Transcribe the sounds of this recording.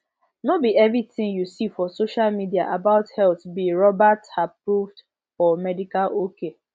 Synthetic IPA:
nobiɛvɹitĩŋjusifɔsoʃalmidia̰ʔabaʊthɛlθbiɹɔbathapɹuvd | fɔmɛdikalʔokʰe

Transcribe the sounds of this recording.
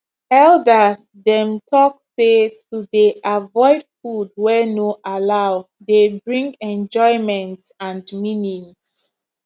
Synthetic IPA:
ɛldəs | dɛ̃mtʰɔk̚setudeʔavɔɪd̥fud̚wɛnoʔalaʊ | debɹĩŋɡɛ̃nd͡ʒɔɪmɛ̃nt | ãndminĩŋ

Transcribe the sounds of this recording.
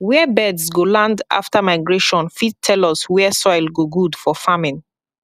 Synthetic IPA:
wɛbɛdsɡolãnda̰ftʰamaɪɡɹeʃɔ̃nfid̚tʰɛlɔswɛsɔjlɡoɡudfɔfamĩn

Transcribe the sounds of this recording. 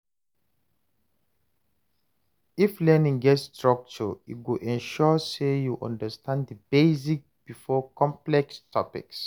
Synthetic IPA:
iflɛnĩŋɡɛtstɹɔk̚t͡ʃəḭɡoʔɛ̃nʃɔsejuʔɔ̰̃ndəstʰãndəbezik̚b̥ifɔkʰɔ̃mplɛkstʰɔ̰pḭks

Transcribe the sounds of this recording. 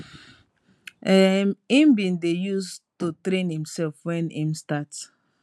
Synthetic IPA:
ɛmĩmbĩndejustutɾẽnhĩmsɛlfwɛ̃nĩmstats

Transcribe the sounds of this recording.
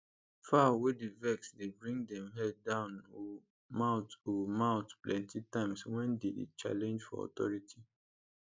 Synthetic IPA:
fawedevɛksdebɹĩŋdɛ̃mɦɛd̚dãʊno | maʊtomaʊtplɛ̃ntitãɪ̃mswɛ̃ndedḛt͡ʃa̰lɛ̃nd͡ʒfɔ̰ɔ̰tɔ̰ɹitʰi

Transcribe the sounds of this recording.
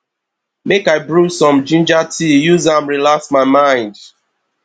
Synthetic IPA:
mekaɪbɹusɔ̃md͡ʒĩnd͡ʒatʰijuzãmɹilaksmaɪmãɪ̃nd

